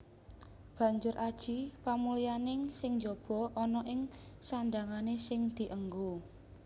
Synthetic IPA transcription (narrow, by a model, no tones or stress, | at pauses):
b̥ä̤ɲd͡ʒʊrʔad̥ʒ̥ipamulijanɪŋsɪŋɲd͡ʒob̥ɔ̤ʔɔnɔʔɪŋsaɳdaŋanesɪŋd̪̥i̤ʔəŋɡo